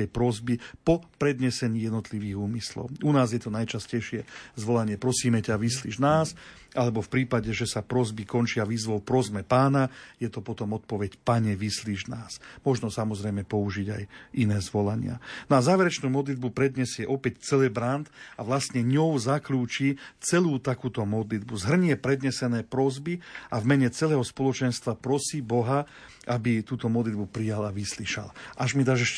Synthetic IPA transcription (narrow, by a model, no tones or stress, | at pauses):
ɛjpɾɔzbipɔpɾɛd̪ɲɛsɛɲiːjɛd̪nɔt̪liʋiːɣuːmislɔ̰ʊunaːzjɛt̪ɔnajt͡ʃascɛjʃɪɛzʋɔlaɲɪɛpɾɔsiːmɛcaʋislḭʒnaːs | ʔalɛbɔfpɾiːpaɟɛʒɛsapɾɔzbikɔnt͡ʃɪaʋiːzʋɔʊpɾɔzmɛpaːnajɛt̪ɔpɔt̪ɔmɔt̪̚pɔʋɛcpaɲɛʋisliʒnaːsmɔʒnɔsamɔzɾɛjmɛpɔuʒiɟajʔinɛːzʋɔlaɲɪa̰nɔazaːʋɛɾɛt͡ʃnuːmɔd̪lid̪̚bupɾɛd̪ɲɛsɪɛʔɔpɛct͡sɛlɛbɾant̪aʋlast̪ɲɛɲɔwzakluːt͡ʃit͡sɛluːt̪akuːt̪ɔmɔd̪lid̪̚buzɦr̩ɲɪɛpɾɛd̪ɲɛsɛnɛːpɾɔzbiavmɛɲɛt͡sɛlɛːɦɔspɔlɔt͡ʃɛnst̪ʋapɾɔsiːbɔɦa | ʔabit̪uːt̪ɔmɔd̪lid̪bupɾijalaʋisliʃa̰lʔaʒmid̪aːʒɛʃ